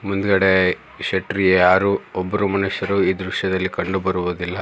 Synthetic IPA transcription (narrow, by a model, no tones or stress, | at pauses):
mund̪ɡɐɽe | ʃɐʈɾijejaːɾuɔbːɐɾumɐnuʃjɐɾuiːd̪ɾuʃjɐd̪ɐlːikɐɳɖubɐɾuʋud̪ilːɐ